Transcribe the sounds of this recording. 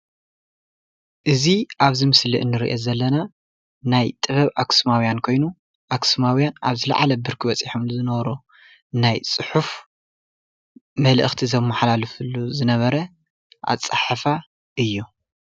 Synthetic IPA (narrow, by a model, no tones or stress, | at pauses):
ʔɨziʔaβzimɨslḭʔɨnːɨɾiʔezɐlːɐna | najt̪ʼɨβɐβaksmawjankʰo̞jnu | ʔaksmawjana̰βzɨla̰ʕalɐbɨɾkʰiβɐt͡sʼiħumlɨzɨnɐβɾu | najt͡sʼɨħuf | mɐlʔɨ̰xt̪ʰizɐmːaħlalɨfuluzɨnɐβɐɾɐ | ʔa̰t͡sʼaħafa | ɨjːu